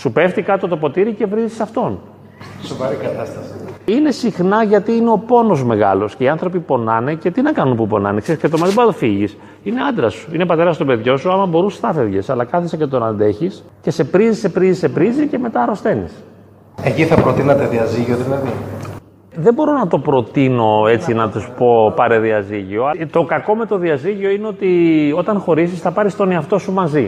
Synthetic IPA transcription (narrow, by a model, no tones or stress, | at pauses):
supe̞ft̪ikɐt̪ot̪o̞po̞t̪iɾice̞vɾizisɐft̪o̞n | sovɐɾikɐt̪ɐst̪ɐsiine̞sixnɐʝɐt̪iineo̞po̞no̞zme̞ɣɐ̰lo̞sceiɐnθɾo̞pipo̞nɐnece̞t̪inɐkɐnunpupo̞nɐ̰neksesket̪omɐðibɾɐt̪ofiʝis | ine̞ɐnd̪ɾɐsu̥ine̞pɐt̪e̞ɾɐst̪o̞pe̞ðʝo̞suɐmɐbo̞ɾusst̪ɐfevʝḛsɐlɐkɐθesecet̪onɐnd̪e̞çis | ce̞se̞pɾizise̞pɾizise̞pɾizice̞me̞t̪ɐɾo̞st̪e̞nḭs | eciθɐpɾot̪inɐt̪eðiɐziʝioðilɐði | ðembo̞ɾo̞nɐt̪o̞pɾo̞t̪ino̞e̞t͡sinɐt̪usu̥po̞pɐɾeðiɐziʝio̞t̪o̞kɐko̞me̞t̪o̞ðiɐziʝio̞ine̞o̞t̪io̞t̪ɐnxo̞ɾisisθɐpɐɾist̪o̞niɐft̪o̞sumɐzi